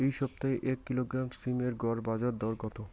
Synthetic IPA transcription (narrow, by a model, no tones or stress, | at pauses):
ejʃɔb̚t̪aeʔɛkːiloɡɾamsimeɾɡɔɾbad͡ʑaɾd̪ɔɾɡɔt̪o